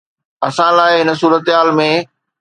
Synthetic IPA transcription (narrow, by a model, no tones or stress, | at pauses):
ɐsãlaːɪɦɪnə̆suːɾət̪ɦaːlmẽ